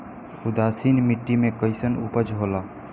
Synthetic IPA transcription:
ʊd̪aːsiːnmɪʈːimẽkəɪsənuːpəd͡ʒʱɦoːlaː

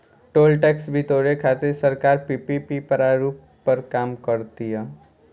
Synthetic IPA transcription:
ʈoːlʈɛːksbʱit̪oːɾekʰat̪eɾsəɾkaːɾpipipipəɾaɾuːpːəɾkaːmkəɾt̪iɦɛ

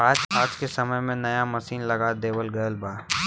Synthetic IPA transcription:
aːd͡ʒaːd͡ʒkesɐməjmẽnɐjamɐsiːnlɐɡad̪eːwəlɡɐjəlbaː

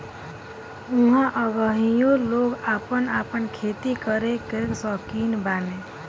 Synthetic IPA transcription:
uɦãʔəʋəɦijõloɡaːpənapənkʰet̪ikəɾekeksɔkiːnbaːne

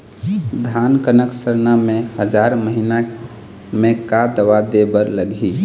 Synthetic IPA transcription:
d̪ʱankənəksəɾnamẽhəd͡ʒaɾməɦina | mẽkad̪əwad̪ebəɾləɡʱi

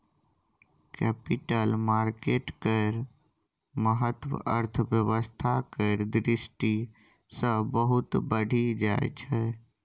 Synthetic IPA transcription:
kɛpiʈəlmaɾkeʈkəɪɾ | məɦət̪wə̰əɾt̪ʰəbjəʋəst̪ʰakəɪɾd̪ɾisʈi | sə̃bəɦut̪bəɽʱid͡ʒaj̰t͡ʃʰɛ

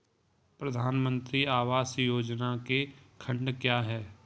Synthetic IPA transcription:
pɾɐd̪ʱaːnmə̃nt̪ɾiaːʋaːsjoːd͡ʒnakekʰə̃ɳɖkjaːɦɛː

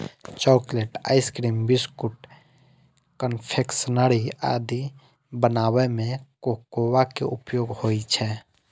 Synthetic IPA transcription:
t͡ʃɔːkleʈa̰ːɪskɾiːmbiskuʈ | kənpʰeksənəɾia̰d̪i | bənawemẽkokowakḛupjoːɡhoit͡ʃʰɛ

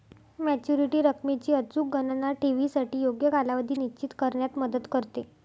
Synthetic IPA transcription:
mæt͡ɕjuɾiʈiːɾəkmit͡ɕiːət͡suːk̚ɡənnaʈiʋisaʈiːjoɡjəkalaʋəd̪ʱiːnit͡ɕiːt̪kəɾɳjat̪məd̪ət̪kəɾt̪e

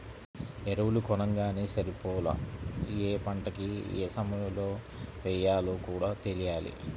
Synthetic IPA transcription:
eɾɐwulukɔnɐŋɡaːneːsɐɾipɔːlɐ̰eːpɐɳʈɐkiḛːsɐmɐjɐloː | ʋɛjaːloːkuːɽaːt̪e̞lijaːlḭ

